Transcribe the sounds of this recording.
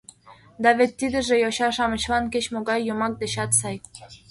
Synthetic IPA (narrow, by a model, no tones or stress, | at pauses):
d̪ɑβet̪ʲːid̪ə̆ʒĕjoɕɑʃɑmə̆t͡ɕβɑnket͡ɕmoɡɑjːomɑk̚d̪eɕɑt̪sɑj